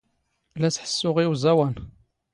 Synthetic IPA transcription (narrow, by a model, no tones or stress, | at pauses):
læsħə̥sːʊʁiwzæwæn